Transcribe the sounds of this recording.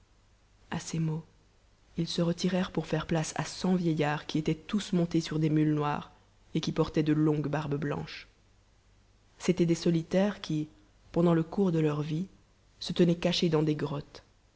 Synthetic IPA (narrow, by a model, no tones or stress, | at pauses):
asemo | ilsəʁət̪ʰiʁɛʁpuʁfɛʁplasa̰sɑ̃vjejaʁkʲiet̪ɛt̪usmɔ̃t̪esyʁd̪emylnwa̰ːʁ | ekʲipɔʁt̪ɛd̪əlɔ̃ɡbaʁbblɑ̰̃ʃ | set̪ɛd̪esɔlit̪ɛʁkʲʰi | pɑ̃d̪ɑ̃ləkuʁd̪əlœʁvi | sət̪ənɛkaʃed̪ɑ̃d̪eɡʁɔt̪